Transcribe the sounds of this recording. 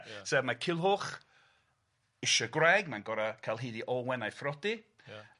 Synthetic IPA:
sɛmakʰɪlˠɦʊχ | ɪʃɔɡwrɛɡmanɡɔɾakʰalˠɦiːðiʔɔwɛnajfrɔdi

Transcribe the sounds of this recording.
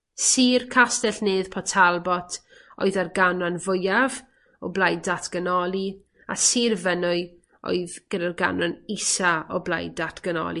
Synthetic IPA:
siːrkʰastɛɬneːð̥pʰɔtʰalˠbɔtʰ | o̰ɨðarɡananvʊjav | ɔblˠajdatʰɡ̥ənɔlˠi | a̰siːrvənʊɨ | o̰ɨðɡ̥ədarɡa̰nwanisaɔbla̰jdatʰɡ̥ənɔ̰lˠi

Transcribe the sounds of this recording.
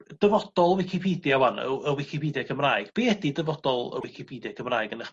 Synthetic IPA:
d̥əvɔd̥ɔlˠwɪkʰipʰiːdjawanə̰əwɪkʰipʰiːdjakʰəmraːɨɡ̥b̥eːɛdidəvɔd̥ɔlˠə̰wɪkʰipʰiːdjakʰəmraːjɡənəχ

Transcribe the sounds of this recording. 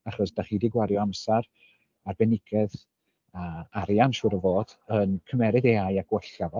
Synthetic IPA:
aχɔsd̥aχidiɡwaɾjɔamsaɾ | arbɛnɪɡ̥ɛð | aaɾjanʃʊɾəvoːd̥ənkʰəmɛɾɨðeajaɡ̥wɛɬavɔ

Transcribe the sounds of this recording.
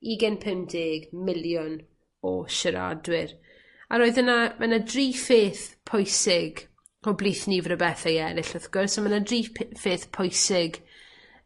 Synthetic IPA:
iɡɛnpʰəmdɪɡmɪljɔn | ɔʃəɾa̰dwɪɾ | aɾoːɨðənamʔanadriːfeːθpʰɔjsɪɡ | ɔbliːθnivɾəbɛθajɛɾɪɬɔθɡ̥ʊrsɔmanadriːfeːθpʰɔjsɪɡ

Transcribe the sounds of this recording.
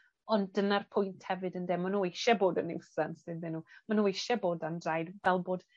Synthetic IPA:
ɔnənarpʰʊjntʰhɛvɨdəndeːmanuejʃɛboːdənɪwsansɨððɨnuːmanuejʃɛboːdandrajdvɛlˠboːd̥

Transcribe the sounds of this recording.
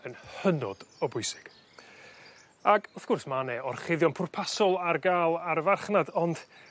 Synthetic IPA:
ənhənɔ̰d̥ɔbʊɨsɪ̥ɡ̥ | aɡʊθɡ̥ʊrsmanɛɔrχɪðjɔnpʰʊrpʰasɔlˠarɡaːlˠarvarχnadɔnd̥

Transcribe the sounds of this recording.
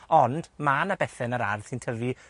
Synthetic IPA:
ɔnd̥manabɛθɛnəɾa̰rðsintʰəvi

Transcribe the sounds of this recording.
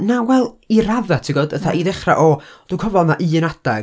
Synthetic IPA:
nawɛlˠiɾaðɛtʰiɡɔːdəθaʔiðɛχra̰ʔɔd̥ukʰɔvɔlˠnaʔɨːnad̥ɛ

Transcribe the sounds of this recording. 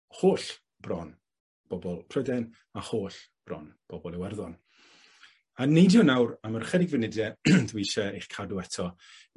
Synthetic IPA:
hoːɬ | b̥rɔn | b̥ɔbɔlˠpʰrɔdɛn | ahoːɬ | b̥rɔ̰n | b̥ɔbɔlˠɛwɛrðɔn | anejdjɔnawɾamərχɛdɪɡvɨnɪdjɛdwiʃɛejχkʰaduɛtʰɔ

